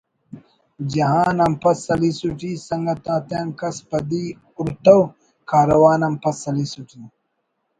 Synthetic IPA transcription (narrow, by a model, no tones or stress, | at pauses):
d͡ʑɐɦaːnɐmpɐsɐlisuʈiːsɐŋɡɐt̪ãːt̪jaːnkɐspɐd̪i | uɾt̪ɐw | kaːɾɐwaːnɐmpɐsɐlisuʈi